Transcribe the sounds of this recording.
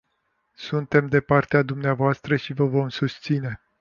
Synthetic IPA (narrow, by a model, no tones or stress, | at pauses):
sunt̪e̞md̪e̞part̪ead̪umneavoast̪ɾəʃivəvo̞msust̪sine̞